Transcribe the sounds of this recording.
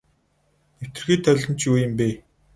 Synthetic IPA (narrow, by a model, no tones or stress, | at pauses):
ew̥ʲt̪ɘ̆rxiːt̪ʰœɮʲɞ̆nt͡ɕjuːjə̆mpeː